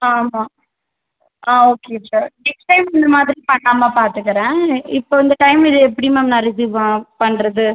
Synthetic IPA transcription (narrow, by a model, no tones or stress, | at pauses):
aːmaː | aːoːkesaɾnɛksʈɐɪmɪnd̪ɐmaːðɪɾipɐɳːaːmaːpaːɾt̪ɯkːɯɾɛ̃ːɪpːoːɪnd̪ɐʈɐɪmɪðɯɛpːɐɽimemnãːɾɪs̬iːʋãpɐɳːɾɐðɯ